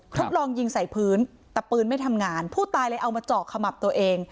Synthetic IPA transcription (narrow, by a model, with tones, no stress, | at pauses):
kʰɾʰo˦˥t̪̚lɔː˧ŋji˧ŋsa˨˩˦jpʰɯː˦˥n | t̪ɛː˨˩pɯː˧nma˥˩jt̪ʰa˧mŋaː˧npʰuː˥˩t̪aː˧jla˦˥jʔa˧wmaː˧t͡ɕɔː˨˩k̚sa˧ma˨˩p̚t̪u˧ɐʔeː˧ŋ